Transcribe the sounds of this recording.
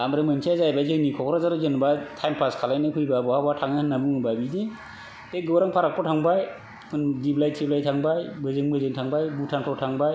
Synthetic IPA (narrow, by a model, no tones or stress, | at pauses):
amɾɯmɯnsʰazajbazɯnikʰɔkɾɔzaɾɔzɯnbatʰajmpʰaskʰalajnɯkʰɯjbabɔhabatʰaŋaɯnːabɯŋɯbabidi | teɡɯwɾaŋpʰaɾak̚pʰɔtʰaŋbaj | kʰɯndiblajtʰiblajtʰaŋbajbɯzɯŋbɯzɯŋtʰaŋbajbutʰaŋtʰɔtʰaŋbaj